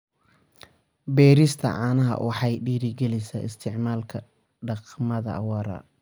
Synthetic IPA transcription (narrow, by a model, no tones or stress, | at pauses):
bɛːɾɪst̪ʰɐ̰ʕɑːnɐɦɐ̰wʔɑħɑjɖiːɾɪɡɛlɪjsɐɪst̪ʰɪʕmaːlkʰɐ | ɖɑqmɐðɐ̰ʔwɑɾɐ̰